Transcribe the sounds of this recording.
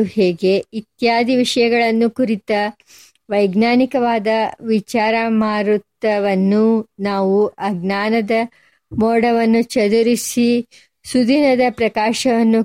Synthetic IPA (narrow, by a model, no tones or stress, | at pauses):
heːɡe̞it̪jaːd̪ʱiʋiʂɐjɐɡɐɭɐnːukuɾit̪ɐ | ʋɐjɡnaːnikɐʋaːd̪ɐʋit͡ʃaːɾɐmaːɾut̪ːɐʋɐnːunaːʋuʔɐɡnaːnɐd̪ɐ | mɔːɽɐʋɐnːut͡ʃɐd̪uɾisi | sud̪inɐd̪ɐpɾɐkaːʂɐʋɐnːu